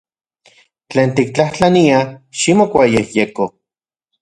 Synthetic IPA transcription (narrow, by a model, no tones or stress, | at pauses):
t͡ɬeːnt̪ikt͡ɬaht͡ɬaniaʃimokʷajehjeko